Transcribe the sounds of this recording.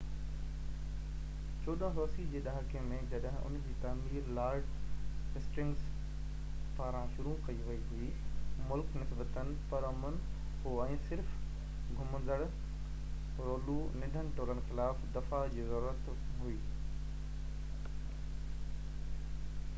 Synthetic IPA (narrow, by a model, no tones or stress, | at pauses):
t͡ɕoːɗə̃ɦoːsid͡ʑeːɗaːɦkiə̃mẽd͡ʑɐɗɦɪ̃ʔʊ̰nd͡ʑiːt̪aːmiːɾlaːɾd͡ʑɦɪsʈɪ̃ŋɡs | paːɾãʃʊɾukɐiʋɐiɦui | mʊlknɪsbət̪ənɪ̆pɐɾʊmən | ɦoɛ̃ːsɪɾf | ɡʱʊmə̃nd̪əɽ | ɾoːlunɪ̃ɖʱənɪ̆ʈoːlən̆xɪlaːfd̪ɐfad͡ʑiːzɐɾuːɾət̪ | ɦuiː